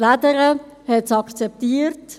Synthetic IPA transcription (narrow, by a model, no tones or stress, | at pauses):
lad̪əɾəhɛtsɑkt͡sɛp̚t̪iːəɾt